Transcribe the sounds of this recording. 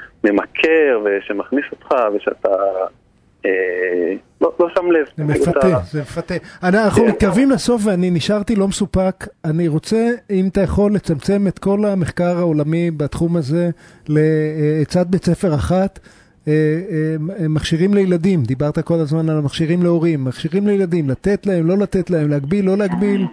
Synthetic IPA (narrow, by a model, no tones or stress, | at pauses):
me̞makʰeʁveʃemaχnisot̪χaveʃea̰t̪a | e | lolosamlevzemefat̪ezemefat̪eananaχummit̪̚kaʁvimleso̞fveaniniʃaʁt̪ilo̞mesupakaniʁo̞t͡se̞imat̪ajaχo̞lːe̞t͡samt͡se̞me̞t̪ko̞lameχkaʁao̞lamibat̪χumaze̞le̞ːt͡sad̪̚be̞t͡sefe̞ʁaχat̪ | maχʃiʁimlejlad̪imd̪ibaʁt̪ako̞lazmanalmaχʃiʁimle̞o̞ʁimːaχʃiʁimlejlad̪imlat̪e̞t̪lae̞mlo̞lat̪e̞t̪lae̞mleaɡbilːo̞leaɡbil